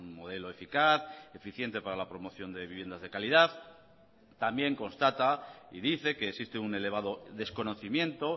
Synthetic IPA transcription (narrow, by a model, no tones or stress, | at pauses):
nmo̞ð̞e̞lo̞e̞fikaθe̞fiθje̞nt̪e̞paɾalapɾo̞mo̞θjo̞nd̪e̞βiβje̞nd̪azðe̞kalið̞aθ | t̪ambje̞ŋko̞nst̪at̪aiðiθe̞ke̞ːksist̪eune̞le̞β̞að̞o̞ðe̞sko̞no̞θimjẽ̞nt̪o̞